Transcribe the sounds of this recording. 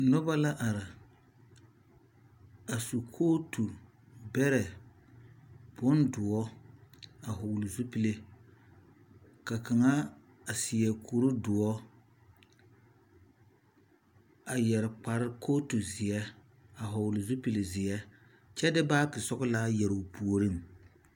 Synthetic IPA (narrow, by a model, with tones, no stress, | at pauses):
nʊ˦ba˦la˦ʔa˨ɾɪ˨ | a˨su˨kʰoː˦tu˨ | bɛ˦ɾɛ˨ | b̥ʊ˦ndʊ˨ɔ˦ | a˨ɦʊ˨wlɪ˨zu˦pi˦le˦ | ka˨ka˨ŋa˦ | a˨sɪ˨jɛ˨kʰu˨ɾu˦dʊ˨ɔ˦ | a˨jɛ˨ɾɪ˨k͡pa˨ɾɪ˦kʰoː˦tu˨zɪ˨ɛ˦ | a˨ɦʊ˨wlɪ˨zu˦pi˨le˨zɪ˨ɛ˦ | t͡ʃɛ˦dɪ˦baː˦kɪ˨sɔ˦ɡʊ˦laː˦jɛ˨ɾo˨pu˨o˨ɾɨ˦˨m